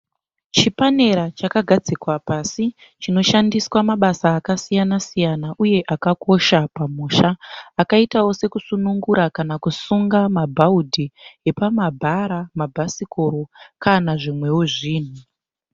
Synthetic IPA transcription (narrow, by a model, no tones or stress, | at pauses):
t͡ʃipane̞ɾat͡ʃakaɡʱad͡zikwapasi | t͡ʃino̞ʃandiswamaɓasaːkasijanasijanaʔuje̞ʔakako̞ʃapamuːʃaːkaitawo̞se̞kusunuŋɡuɾakanakusuŋɡamabʱaudʱiɦe̞pamabʱaɾamabʱasikoɾo̞kanaʐimwe̞woʐiːn̤u